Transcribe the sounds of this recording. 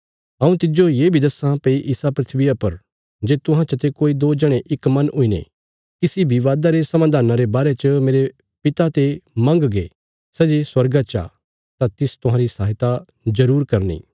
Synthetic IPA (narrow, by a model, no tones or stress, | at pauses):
ɐ̃ũt̪ɪd͡ʒojeːbʱid̪ɐsãpeiʔɪsapɾɪt̪ʰʋɪjapɐɾ | d͡ʒeːt̪ʊɦãt͡ʃɐt̪ekoːid̪oːd͡ʒɐɽ̃eʔɪkmɐ̃nʊinḛ | kisibʱiʋaːd̪aɾesɐmãd̪ʱaːnaɾebaːɾet͡ʃəmeːɾe | pɪt̪at̪emɐ̃ŋɡɡḛː | sɛːd͡ʒeswɐɾɡat͡ʃa̰ | t̪ãt̪ɪst̪ʊɦãːɾisaːɦɪt̪a | zɐɾuːɾkɐɾnḭː